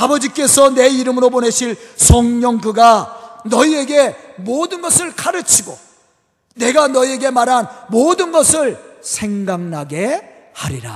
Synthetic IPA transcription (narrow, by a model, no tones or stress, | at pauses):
abʌd͡ʑik͈e̞sʰʌne̞iɾɯmɯɾopone̞ɕʰiɭsʰʌŋɲʌŋɡɯɡanʌie̞ɡe̞modɯnɡʌsʰɯɭk͈aɾɯt͡ɕʰiɡo | ne̞ɡanʌie̞ɡe̞maɾɦanmodɯnɡʌsʰɯɭsʰe̞ŋɡaŋnaɡe̞ | haɾiɾa